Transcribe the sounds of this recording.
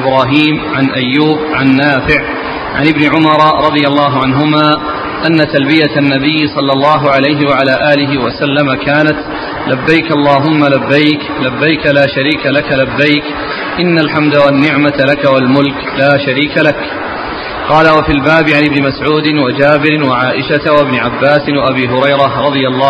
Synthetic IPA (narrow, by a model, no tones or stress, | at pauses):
ɪbɾɑːɦiːmʕanʔajːuːbʕanːaːfɪʕ | ʕa̰nɪbnɪʕʊmɑɾˤɾˤɑðˤɨjɑlˤːɑːɦʊʕanɦʊmaː | ʔanːat̪albɪjat̪nːabɪjːsˤɑlːɑlˤːɑːɦʊʕalajɦɪwaʕalaːʔaːlɪɦɪwasalːamakaːnat̪ | labːajkʔɑlˤːɑːɦʊmːalabːajk | labːajkalaːʃaɾiːkalakalabːajk | ʔɪnːalħamd̪awanːɪʕmat̪lakawalmʊlk | laːʃaɾiːkalak | qɑːlawafiːlbaːbɪʕanʔɪbnɪmasʕuːd̪ɪnwad͡ʒaːbɪɾɪnwaʕaːʔɪʃat̪awabnɪʕabːaːsɪnwaʔabiːɦʊɾɑjɾɑɾˤɑðˤɨjalˤːɑː